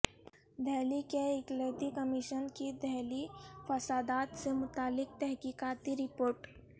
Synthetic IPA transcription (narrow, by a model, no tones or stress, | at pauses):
d̪ʱɛɦlikeɪklet̪ikəmiʃənkid̪ɛɦlifɐsaːd̪aːt̪semʊt̪aːlːɪk̚t̪ɛɦkiːkaːt̪iɾɪpoːɾʈ